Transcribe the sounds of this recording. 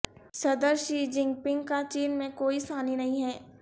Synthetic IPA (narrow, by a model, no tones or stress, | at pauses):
sɐd̪əɾʃiːd͡ʒɪ̃ŋɡpɪ̃ŋɡkat͡ʃiːnmẽkoːisaːninɐɦĩɦɛː